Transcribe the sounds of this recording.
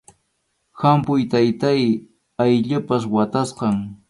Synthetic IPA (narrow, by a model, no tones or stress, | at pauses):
hampʊjt̪ajt̪aj | ajʎʊpas̬wat̪asqɑŋ